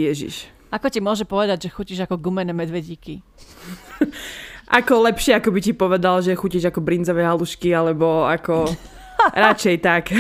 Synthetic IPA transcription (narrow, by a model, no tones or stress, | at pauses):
jɛʒḭʃ | akɔcimʊɔʒɛpɔʋɛd̪aɟʒɛxuciʒakɔɡumɛnɛmɛd̪ʋɛɟiːki | ʔakɔlɛpʃɪɛakɔbicipɔʋɛd̪alʒɛxuciʒakɔbɾind͡zɔʋɛɦaluʃkialɛbɔakɔ | ɾat͡ʃɛjt̪ak